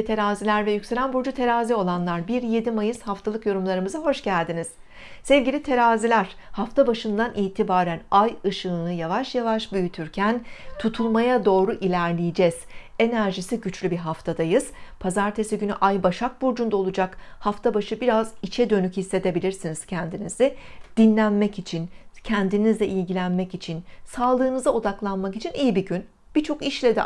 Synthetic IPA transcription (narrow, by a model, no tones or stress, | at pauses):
t̪ʰe̞ɾaːzilʲæɾvɛjycse̞lʲænbuɾd͡ʒut̪ʰe̞ɾaːzio̞lˠanlˠaɾbiɾje̞d̪imajɯz̥haft̪ʰalˠɯkjo̞ɾumlˠaɾɯmɯzaɦo̞ʃɟælʲd̪iniz̥ | sɛvɟilʲit̪ʰe̞ɾaːzilʲæɾ̥ | haft̪ʰabaʃɯnd̪anʔiːt̪ʰibaːɾænajɯʃɯnɯjavaʃjavaʃbyjyt̪ʰyɾcʰænt̪ʰut̪ʰulˠmajad̪o̞ːɾuʔilʲæɾlʲijid͡ʒɛz̥e̞næɾʒisiɟyt͡ʃlʲybiɦaft̪ʰad̪ajɯz̥pʰazaɾt̪ʰe̞siɟyny̰ʔajbaʃak̚buɾd͡ʒund̪aolˠud͡ʒakhaft̪ʰabaʃɯbiɾazit͡ʃʰɛd̪ø̞nychisːe̞d̪e̞bilʲiɾsiniz̥cʰɛnd̪inizid̪̥inlʲænmɛcit͡ʃʰincʰɛnd̪inizlʲɛʔilʲɟilʲænmɛcit͡ʃʰinsaːlˠɯːnɯzao̞d̪aklˠanmakit͡ʃʰinijibiɟyn | b̥it͡ʃʰo̞kiʃlʲɛd̪ɛ̰